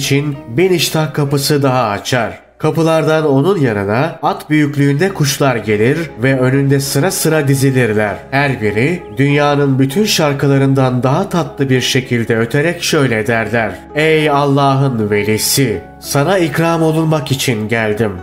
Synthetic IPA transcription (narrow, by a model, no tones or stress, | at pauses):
t͡ʃʰinbiniʃt̪ʰakʰːapɯsɯd̪aɦaat͡ʃʰaɾ̥ | kʰapɯlˠaɾd̪ano̞nunjaɾɯnaat̪byjycʲlʲyːnd̪ɛkʰuʃlˠaɾɟe̞lʲiɾvɛø̞nynd̪ɛsɯɾasɯɾad̪izinʲiɾlʲæɾ̥hæɾbiɾid̪ynjaːnɯnbyt̪ʰynʃaɾkʰɯlˠaɾɯnd̪and̪aɦat̪ʰat̪lˠɯbiɾʃe̞cʰilʲd̪ɛø̞t̪ʰe̞ɾɛcʃø̞jlʲɛːd̪æɾlʲæɾ̥ | ɛjalˠːaːɦɯnve̞lʲisi | sanaikɾaːmo̞lˠunmakit͡ʃʰinɟælʲd̪im